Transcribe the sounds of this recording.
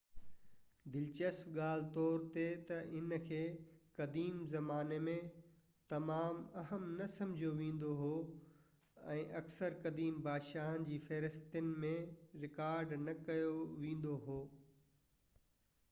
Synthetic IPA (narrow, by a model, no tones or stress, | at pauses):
d̪ɪlt͡ɕəsfɠaːl̤t̪ɔːɾt̪et̪ɐʔɪnkʰeː | kɐd̪iːmzɐmaːnemẽ | t̪ɐmaːmɐɦəmnɐsɐ̃md͡ʑʱoʋẽːn̆d̪oɦoː | ɛ̃ːʔɐksəɾkɐd̪iːmbaːd̪ʃaːɦənd͡ʑiːfɐɾɪst̪ənɪ̆mẽ | ɾɪkaːɾɖnɐkɐjoʋẽːn̆d̪oɦoː